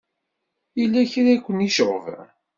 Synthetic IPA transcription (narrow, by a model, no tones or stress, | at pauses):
ilːæçɾækʷːəniʃəʁv̰